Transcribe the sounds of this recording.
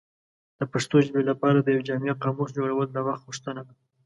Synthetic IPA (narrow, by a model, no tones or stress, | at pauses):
d̪̥əpaʂt̪od͡ʒbelapɑɾad̪əjawd͡ʒaŋɡaqɑmos̬d͡ʒoɽawəlːawaxt̪̚ɣʊʂt̪ənad̪a